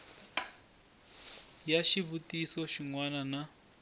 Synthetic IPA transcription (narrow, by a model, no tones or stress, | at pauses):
jaʃiβutisɔʃiŋwanana